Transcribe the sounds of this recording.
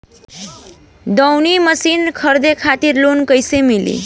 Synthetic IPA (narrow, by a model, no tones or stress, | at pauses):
d̪ʌwniməsinkʰʌɾd̪ekʰat̪iɾlonkəjsemilḭ